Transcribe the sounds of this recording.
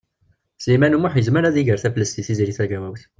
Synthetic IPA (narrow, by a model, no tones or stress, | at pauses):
slimænumuħjəzməɾæðiʝəɾθæflːəst̪iθiziɾiθæɡæwæwθ